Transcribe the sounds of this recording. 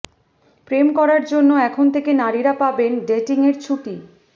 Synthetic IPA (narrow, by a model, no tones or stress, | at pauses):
pɾemkɔɾaɾd͡ʑonːoɛkʰont̪ʰekenaɾiɾapabenɖeʈiŋeɾt͡ɕʰuʈi